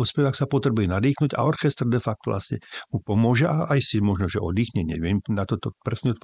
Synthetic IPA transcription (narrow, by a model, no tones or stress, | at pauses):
ɔspɛʋaksapɔt̪ɾɛbujɛnad̪iːxnuɟa̰ɔɾxɛst̪rd̪ɛfak̚t̪ɔʋlʔa̰sɲɛ̰mupɔmʊɔʒɛʔaaisɛmɔʒnɔʒɛɔd̪iːxɲɛɲɪɛʋɪɛmnat̪ɔt̪ɔpɾɛsɲɛɔt̪̚p